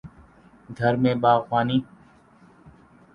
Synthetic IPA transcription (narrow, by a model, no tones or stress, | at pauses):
ɡʱəɾmẽːɓaːxwaːniː